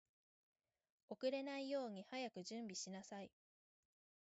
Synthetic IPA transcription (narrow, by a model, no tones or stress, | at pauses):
o̞kɯ̟ɾe̞naijo̞ːɲ̟ihajakɯ̟ʑɨ̃mbʲiɕinasai